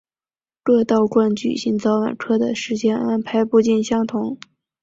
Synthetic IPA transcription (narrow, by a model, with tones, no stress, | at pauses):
lwə˥˧t̪ɑ˥˧ʊkwa˥˩nt͡ɕy̰˨˩ɕi˧˥ŋt͡sɑ˧˥ʊwa̰˨˩nʈ͡ʂʰɤ˥d̪ə˨ʂɻ̩˧˥t͡ɕjɛ˥na˥npʰa˧˥ɪpu˥˧t͡ɕi˥˩nɕjɑ˥ŋt̪ʰʊ˧˥ŋ